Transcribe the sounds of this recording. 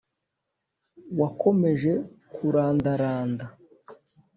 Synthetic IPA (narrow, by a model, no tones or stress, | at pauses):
wako̞me̞ʒe̞kuɾaːndaɾaːnda